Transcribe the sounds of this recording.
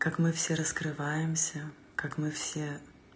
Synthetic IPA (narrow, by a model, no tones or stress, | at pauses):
kakmɨfsʲeɾəskɾɨvajɪmsʲə | kakmɨfsʲe